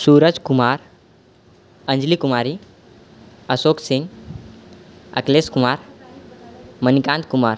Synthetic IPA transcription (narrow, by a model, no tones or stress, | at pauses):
suːɾəd͡zkumaɾ | ənd͡zlikumaɾiː | əsoksĩŋɡ | ə̰kleskumaɾ | mənikãnt̪kumaɾ